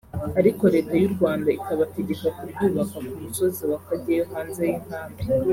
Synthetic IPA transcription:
aɾiko̞ɾe̞ːtajuɾɡwaːndaikaβateɟe̞kakubɟuːβakakumuso̞ziwakaɟejohaːnzejin̥haːmbi

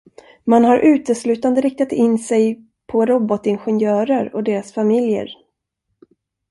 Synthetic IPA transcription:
manɦaɾʔʉ̟ːt̪əslʉ̟ːt̪and̪əɾɪk̚t̪at̪ɪnːsɛj | pʰɔɾɔbɔt̪ɪnɧɛnjœːɾəɾɔd̪eːɾasfamɪljə̰ɾ

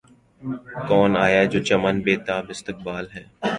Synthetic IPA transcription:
kɔːnaːjad͡ʒoːt͡ʃɐmənbeːt̪aːbɪst̪ɪk̚baːlɦɛː

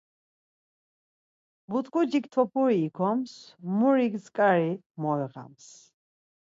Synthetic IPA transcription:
but̪ʼkʼud͡ʒikt̪ʰɔpʰuɾiːkʰɔmsmuɾiɡzkʼaɾi | mɔɛʁa̰ms

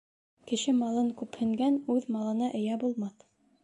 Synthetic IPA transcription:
kɘ̆ʃɘmɑlˠɤŋkʉphɵ̆ŋɡænʉðmɑlˠɤ̆nɑʔɘ̆jæbulˠmɑθ

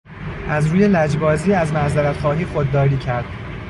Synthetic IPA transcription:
ʔæzɾuːje̞læd͡ʒbɒːziːæzmæzæɾæt̪χɒːɦiːxod̪̚ːɒːɾiːcʰæɾd̪̥

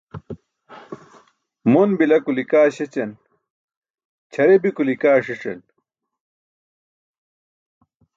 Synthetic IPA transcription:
munbilɐkulikaːɕet͡ɕɐn | t͡ɕʰɐɾebikulikaːʂiʂɐ̰n

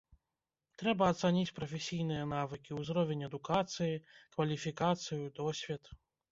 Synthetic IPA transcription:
t̪ɾɛbɐːt̪sanʲit͡sʲpɾɐfʲɛsʲijnɨjɐnavɨkʲiwzɾɔvʲenʲɛd̪ukat̪sɨjikvɐlʲifʲikat̪sɨjud̪ɔsʲvʲit̪

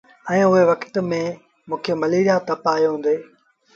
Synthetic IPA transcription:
ɛ̃ːʊɦeʋɐkt̪mẽ | mũːkʰemɐliːɾijat̪ɐpaːjoɦũːnd̪eː

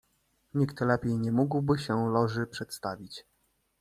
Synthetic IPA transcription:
ɲikt̪lɛpʲjejɲɛmuɡwbɘɕɛlɔʐɘpʂɛt̪st̪avʲit͡ɕ

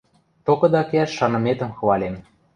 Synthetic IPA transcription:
t̪okɤ̆d̪ɑkeæʃːɑnɤ̆met̪ə̆mxɤ̆βɑlʲem

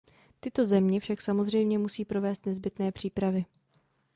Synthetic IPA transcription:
t̪ɪt̪o̞zɛmɲɛfʃaksamo̞zr̝ɛjmɲɛmusiːpɾo̞vɛːst̪nɛzbɪt̪nɛːpr̝̥iːpɾavɪ

